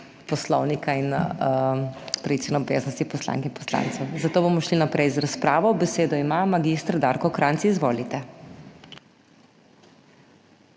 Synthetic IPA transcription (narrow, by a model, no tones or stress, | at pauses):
pɔslɔwnikain | pɾɐʋisɛnɛɔbḛznɔst̪ipɔsla̰ŋkɛinpɔ̥sla̰nt̪sɛwzat̪oːbomɔʃlinapɾɛjzɾaspɾaːʋɔbɛseːd̪ɔimamaɡist̪ɾd̪aɾkɔkɾansiizʋoːlit̪ɛ